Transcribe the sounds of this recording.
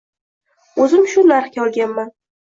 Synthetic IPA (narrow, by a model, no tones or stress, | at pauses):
ɵzɪmʃʊnaɾχkʲaɒlˠɡʲanman